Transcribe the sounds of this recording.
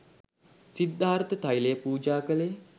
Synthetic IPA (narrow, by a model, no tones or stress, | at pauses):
sid̪ʱːaːɾt̪ət̪ajlejəpuːd͡ʒaːkəlej